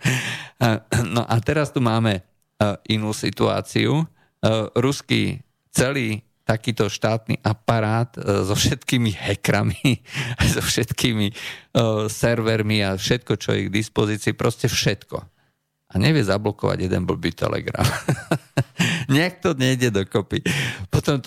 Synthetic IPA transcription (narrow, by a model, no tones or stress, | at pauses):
nɔ̰ʔat̪ɛɾast̪umaːmɛ | ʔinuːsḭt̪ua̰ːt͡siu | ɾuskḭ | t͡sɛliː | t̪akiːt̪ɔʃt̪aːt̪nḭːʔapaɾaːt̪zɔfʃɛt̪kiːmiɦɛkɾamiajzɔfʃɛt̪kʰiːmi | sɛɾʋɛɾmiafʃɛt̪̚kɔt͡ʃɔ̰jɛ̰ɡd̪ispɔziːt͡siːpɾʔɔscɛfʃɛt̪kɔ̰ | ʔaɲɛʋɪɛzablɔkɔʋa̰ɟjɛd̪ɛ̰nbl̩biːt̪ɛ̰lɛ̰ɡɾa̰m | ɲɛk̚t̪ɔɲɛjɟɛd̪ɔkɔpipɔt̪ɔm